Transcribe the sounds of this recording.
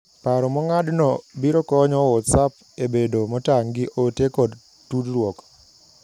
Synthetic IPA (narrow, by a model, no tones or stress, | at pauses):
paɾɔmɔŋadnɔbiɾɔkɔɲɔwɔtsap | ebedomɔtaŋɡɪʔotekɔd | tudɾwɔk